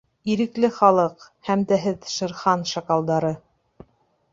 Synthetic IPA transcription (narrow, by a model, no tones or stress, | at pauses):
iɾɘ̆klɘχɑlˠɤqhæmt̪æɦɘðʃɤ̆ɾχɑnʃɑkɑlˠd̪ɑɾɤ